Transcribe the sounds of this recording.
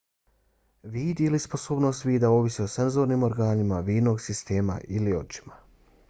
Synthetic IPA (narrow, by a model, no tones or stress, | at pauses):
ʋiːd̪ilispo̞soːbno̞ːst̪ʋiːd̪aoʋisio̞senzo̞ɾniːmo̞ɾɡaːnimaʋiːnoɡsist̪eːma̰ʔilio̞̰t͡ʃi̥ma